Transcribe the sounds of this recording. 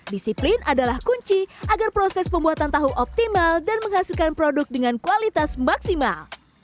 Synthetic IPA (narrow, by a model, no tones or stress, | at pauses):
disiplinʔadalahkuɲt͡ʃiʔaɡarpɾosɛspəmbuat̪ant̪aɦuʔɔp̚t̪imaldanməŋhasilkanpɾodʊk̚dəŋankualit̪asmaksimal